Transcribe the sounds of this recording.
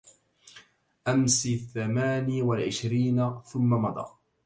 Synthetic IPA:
ʔamsiːθːamaːniwalʕɪʃɾiːnaθʊmːamɑd̪ˤɑ̰ː

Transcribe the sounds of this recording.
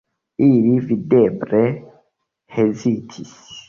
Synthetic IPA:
iɾividɛbɾɛ | heziːtʰis

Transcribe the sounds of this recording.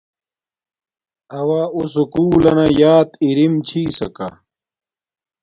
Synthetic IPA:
ɐwaːusukuːlɐnɐjaːt̪iɾimt͡ɕʰiːsɐ̰ka̰

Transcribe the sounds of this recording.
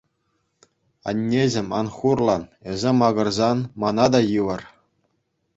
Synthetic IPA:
ɑ̰nʲːeʑʲĕmʲɑ̰nχurlˠɑnĕzʲĕmɑɡɤ̆rzɑnmɑnɑd̪ɑjɯʋɤ̆r

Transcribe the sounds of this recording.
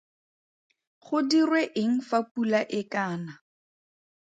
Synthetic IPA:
χʊdirweʔɪŋ̩fapulaʔɪkaːna

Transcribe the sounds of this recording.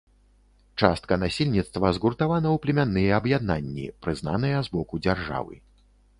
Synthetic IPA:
t͡ʂa̰st̪̚kɐnasʲilʲnʲit̪st̪vɐzɣurt̪avanɐwplʲɛmʲanːɨjɛɐbjad̪̚nanʲːḭpɾɨzna̰n̪ɨjɛzbɔkud͡zʲarʐa̰vɨ̰

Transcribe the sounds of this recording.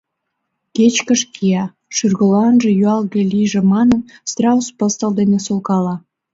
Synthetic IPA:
ket͡ɕkəʃkʰiɑ | ʃyrɣə̆lɑnʒĕjyɑlɣelʲijʒĕmɑnənst̪rɑuspəst̪ə̆ld̪enesolkɑlɑ

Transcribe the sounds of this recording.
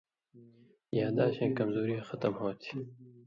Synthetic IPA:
jaːd̪aːɕẽːkɐmzoːɾiãxʌt̪ɐmhoːt̪ʰi̥

